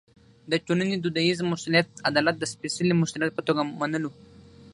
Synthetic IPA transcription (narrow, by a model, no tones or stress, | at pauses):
d̪ət͡ʃunənid̪ud̪aizmʊsuljat̪̚ad̪ɑlat̪̚d̪əspesilimʊsʊljat̪̚pət̪oɡamanəlu